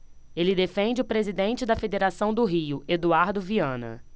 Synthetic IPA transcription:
elɪd̪efẽnd͡ʒɪʊpɾezid̪ẽnt͡ʃɪd̪ɐfed̪eɾasɐ̃w̃d̪ʊɦijʊʔed̪uaɾd̪ʊviɐ̃nɐ̰

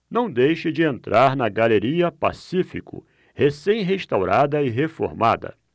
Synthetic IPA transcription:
nɐ̃w̃d̪ejʃɪd͡ʒɪẽnt̪ɾʔaɾnɐɡaleɾiɐpa̰sifḭkʊ̰ | hesẽj̃ɦeʃt̪awɾad̪ɐɪɦefo̰ɾma̰d̪ɐ̰

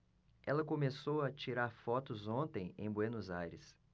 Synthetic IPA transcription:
ɛlɐkomesowɐt͡ʃiɾaɾfɔt̪ʊzõnt̪ẽj̃ḛ̃j̃bwenuzajɾɪs

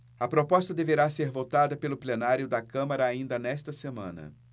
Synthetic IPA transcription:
ɐpɾopɔst̪ɐd̪eveɾaseɾvot̪ad̪ɐpelʊplenaɾjʊd̪ɐkɐ̃mɐɾɐːĩnd̪ɐnɛst̪ɐsemɐ̰̃nɐ̰

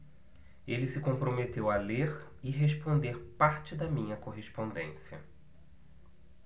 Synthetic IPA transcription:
elɪsɪkõpɾomet̪ewaleɾ | ɪɦeʃpõnd̪eɾpaɾt͡ʃɪd̪ɐmĩɲɐkoɦespõnd̪ḛ̃siɐ̰

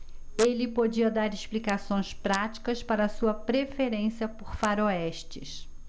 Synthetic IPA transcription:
elɪpod͡ʒiɐd̪aɾɪʃplikasõj̃spɾat͡ʃi̥kɐspaɾɐːsuɐpɾefeɾẽsiɐpoɾfaɾoɛʃt͡ʃɪs

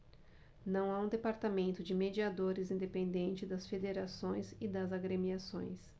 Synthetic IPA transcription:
nɐ̃w̃aũd̪epaɾt̪amẽnt̪ʊd͡ʒɪmed͡ʒiad̪oɾɪzĩnd̪epẽnd̪ẽnt͡ʃɪd̪ɐsfed̪eɾasõj̃zɪd̪ɐzaɡɾemiasõ̰j̃s

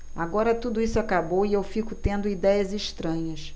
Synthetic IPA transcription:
aɡɔɾɐt̪ud̪ʊisʊakabowiewfikʊt̪ẽnd̪ʊid̪ɛjɐziʃt̪ɾɐ̃ɲɐs

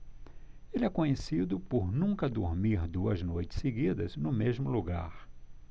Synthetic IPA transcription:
elɪɛkõɲesid̪ʊpoɾnũkɐd̪oɾmiɾd̪uɐznojt͡ʃɪ̥seɡid̪ɐznʊmezmʊluɡa̰ɾ

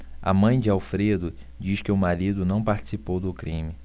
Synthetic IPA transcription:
ɐ̰mɐ̃j̃d͡ʒɪawfɾed̪ʊ | d͡ʒiʃkɪʊmaɾid̪ʊnɐ̃w̃paɾt͡ʃi̥sipowd̪ʊkɾĩmɪ

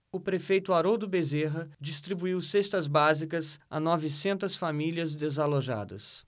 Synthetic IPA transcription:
ʊpɾefejt̪ʊaɾod̪ʊbezeɦɐd͡ʒist̪ɾibuiwsest̪ɐzbazikɐsa̰nɔvɪsẽnt̪ɐsfamiliɐzd̪ezaloʒa̰d̪ɐ̰s

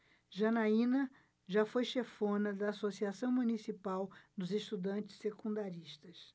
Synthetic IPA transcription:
ʒɐnaĩnɐ | ʒafojʃefõnɐd̪ɐːsosiasɐ̃w̃munisipawd̪ʊzeʃt̪ud̪ɐ̃nt͡ʃɪ̥ssekũnd̪aɾiʃt̪ɐs

